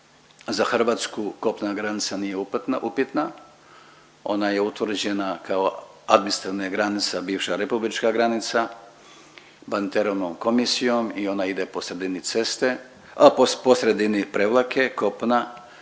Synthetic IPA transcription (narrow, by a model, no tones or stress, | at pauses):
zaxr̩ʋaːt̪skuko̞pnaɡɾanit̪sanijeupt̪naʔupit̪na | o̞̰naje̞ut̪ʋr̩d͡ʑe̞nakao | ad̪minst̪ɾaneɡɾanit̪sabiːʋʃaɾe̞publit͡ʃkaɡɾanit̪sa | banit̪eɾoʋnomko̞misijo̞mio̞naid̪e̞po̞sɾe̞d̪init̪se̞st̪e̞ | apopo̞sɾe̞d̪inipɾeʋlˠake̞ko̞pna